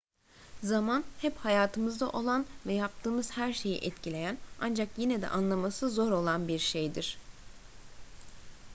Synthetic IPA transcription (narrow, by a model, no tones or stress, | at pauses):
zamanhɛphajaːt̪ʰɯmɯzd̪aʔo̞lˠanvɛjap̚t̪ʰɯːmɯz̥hæɾʃe̞jḭʔɛt̪cʰilʲe̞jæna̰nd͡ʒakjinɛd̪ɛ̰ʔanlˠamasɯzo̞ɾo̞lˠanbiɾʃejd̪iɾ̥